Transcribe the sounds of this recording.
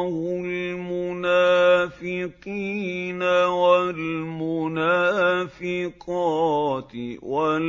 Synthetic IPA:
hʊlmʊnaːfɪqiːnawalmʊnaːfɪqɑt̪wal

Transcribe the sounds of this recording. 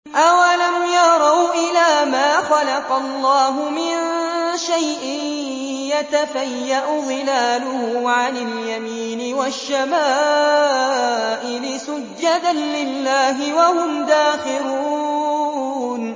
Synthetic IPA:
ʔawalamjɑɾˤɑwʔɪlaːmaːxɑlɑqɑlˤːɑːɦʊmɪnʃajʔɪn | jat̪afajːaʔʊd̪ˤɨlaːlʊhʊʕanaljamiːnɪwaʃːamaː | ʔɪlɪsʊd͡ʒːad̪anlɪlːaːɦɪwahʊmd̪aːxɪɾuː | n

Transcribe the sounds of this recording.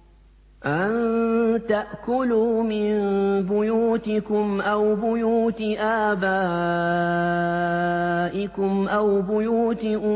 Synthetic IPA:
ʔant̪aʔkʊluːmɪnbʊjuːt̪ɪkʊmʔawbʊjuːt̪ɪʔaːbaː | ʔɪkʊmʔawbʊjuːt̪ɪ

